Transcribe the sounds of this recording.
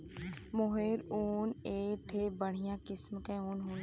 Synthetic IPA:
moɦeːɾoːneːt̪ʰebəɽ̤ɪjãːkɪsmkẽoːnɦoː

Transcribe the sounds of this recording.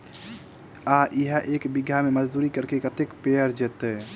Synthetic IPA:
aʔiɦəʔekbiɡʱjameməd͡ʒd̪uɾikəɾkekət̪ekpeəɾd͡ʒet̪ɛ

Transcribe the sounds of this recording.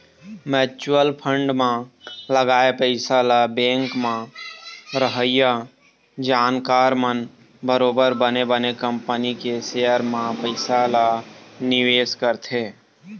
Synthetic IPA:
mɛːt͡ʃəlpʰə̃ɳɖmãləɡaːepəɪsalabẽːŋkmã | ɾəɦəja | d͡ʒaːnkaːɾmən | bəɾoːbəɾbənebənekə̃mpənikeseːəɾmãpəɪsalanɪʋeːskəɾt̪ʰeː

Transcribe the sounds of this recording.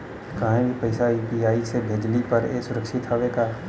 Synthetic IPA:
kɐɦẽbʱipɐɪsaiːpiaːisebʱeːd͡ʒlipɐɾeːsʊɾəkʃɪt̪ɦoʋeɡaː

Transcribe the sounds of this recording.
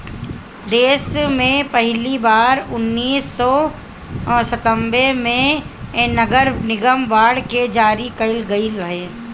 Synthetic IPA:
d̪eːsmẽpɛɦlibaːɾʊnːiːsːɔ | sət̪ə̃mbemẽ | nɐɡəɾnɪɡəmʋaːɽked͡ʒaːɾikɐɪlɡɐiɾɐɦeː

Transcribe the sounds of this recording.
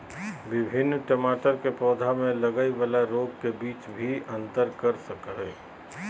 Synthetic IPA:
ʋɪbʱɪnːʈəmaːʈəɾkepɔːd̪ʱamẽlɐɡəiʋalaɾoːɡ̚kebiːt͡ʃbʱiɐ̃nt̪əɾkəɾsəkɦeː

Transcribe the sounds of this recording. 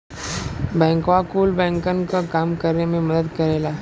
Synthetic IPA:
bɛ̃ŋkʋakuːlbɛ̃ŋkənkakamkəɾnemẽməd̪əd̪kəɾajla

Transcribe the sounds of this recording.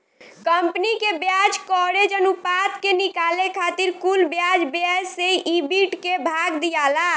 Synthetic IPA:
kəmpnikebjad͡ʒkɔɾed͡ʒənupat̪kenikalekʰat̪iɾkulbjad͡ʒbjaseʔibiʈkebʱaɡd̪ijala

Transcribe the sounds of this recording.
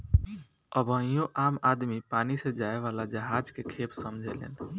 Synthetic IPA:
əbʱə̃jõʔamad̪mipanised͡ʒaeʋalad͡ʒəɦad͡ʒkekʰepsəmd͡ʒʱelḛn

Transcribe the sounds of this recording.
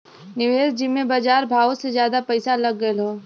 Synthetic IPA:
nɪʋeːzd͡ʒɪmːẽbaːd͡ʒaːɾbʱaːʋosezjaːd̪apɐɪsalɐɡːəelɦoː

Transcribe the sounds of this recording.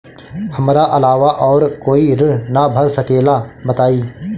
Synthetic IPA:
hɐmɾaʔɐlaːʋaʔɔːɾkoːiɾəɽnabʱɐɾsɐkeːlabɐt̪aːiː

